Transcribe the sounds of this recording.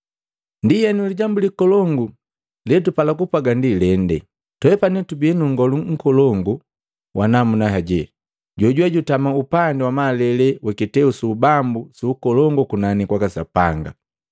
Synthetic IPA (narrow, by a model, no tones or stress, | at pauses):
ndijɛnuliɟambulikɔlɔŋɡu | lɛtupalakupaɡandilɛndɛ̰ | tɔɛpanɛtubiɛnuŋɡɔluŋ̩kɔlɔŋɡu | wʔanamunaɦaɟɛ | ɟɔɟuwaɟutamaupandɛwamalɛlɛwɛkitɛusuːbambusuːkɔlɔŋɡɔkunanikwakasa̰paŋɡa̰